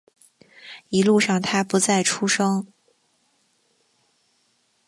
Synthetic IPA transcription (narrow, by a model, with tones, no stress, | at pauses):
i˧˥lu˥˧ʂɑ˥˩ŋt̪ʰa˥pu˨˧˥t͡sa˥˩ɪʈ͡ʂʰu˥ʂɤ˥ŋ